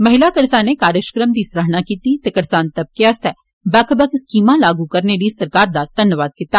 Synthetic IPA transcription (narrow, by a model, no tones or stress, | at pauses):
mɐɦɪlakɐɾsaːnekaːɾjəkʃə̥kɾəmd̪isɾɐɦnakiːt̪it̪ekɐɾsaːnt̪ɐb̚keɐst̪ʰɛː | baːkʰəbəkskiːmãlaːɡukɐɾnelisɐɾkaːɾd̪ad̪̥ɐnjʋaːd̪̚kɪt̪ːaː